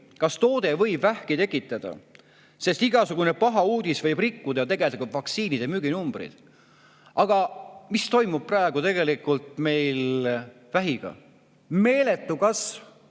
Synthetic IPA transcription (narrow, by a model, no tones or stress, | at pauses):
kɑst̪o̞ːd̪e̞vɤ̞jbvæhkit̪e̞kːˑit̪ːˑɑd̪̥ɑ̰ | se̞st̪iɡɑsuɡ̥unepɑɦɑuːd̪̥isvɤjb̥rikːud̪ɑjɑt̪e̞ɡe̞ld̪ɑɡuvɑksiːnid̪̥emyɡ̥inumbrḭd̪̥ | ɑɡ̥ɑmist̪o̞jmub̥̚prɑeɡ̥ut̪e̞ɡ̥e̞likːult̪me̞jl | væɦiɡ̥ɑ̰ | me̞ːle̞t̪ːˑukɑs